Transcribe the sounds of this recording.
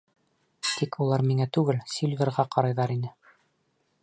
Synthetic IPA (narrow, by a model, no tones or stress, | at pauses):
t̪ʰikʰulˠɑɾmiŋæt̪ʉɡɘlsilvʲeɾʁɑqɑɾɑjðɑɾinɘ